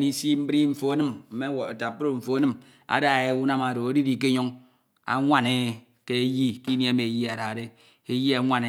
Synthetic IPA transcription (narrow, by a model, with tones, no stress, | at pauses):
ni˦si˦m̩˦bɾi˦ɱ̩˨fo˨a˦nɨ˦mm̩˨˦me˦wa˨ta˨pɾo˨ɱ̩˨fo˨a˦nɨ˦m | a̰˨da˨e˨˦u˦na˦ma˨ɾo˨o˦di˦di˦˨˦k̬e˦ɲo˦ŋ | a̰˨ŋʷa˦ne˦ | ke˦e˦ji˦ki˦ni˦a˦me˨ji˦a˨ɾa˨ɾe˦ | e˦ji˦a˨˦ŋʷa˦ne˨˦